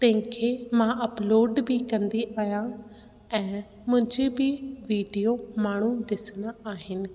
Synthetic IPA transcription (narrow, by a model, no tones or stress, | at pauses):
t̪ɛ̃ːkʰeːmãːʔəploːɖbʱiːkə̃nd̪iːʔaːjãː | ɛ̃ː | mʊ̃d͡ʒeːbʱiːʋiːɖijoːmaːɳ̤̃ũːd̪ɪsnaːaːɦɪnɪ̆